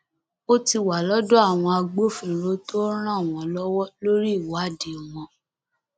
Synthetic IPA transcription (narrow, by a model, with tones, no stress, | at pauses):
o˦ti˧wa˨lɔ˦do˦a˦˨w̃ɔ̃˧a˧ɡ͡bo˦˨fĩ˨ɾo˨˦to˦ɾ̃ã˦˨w̃ɔ̃˧lɔ˦wɔ˦lo˦ɾi˦˨wa˨˦˨de˨w̃ɔ̃˧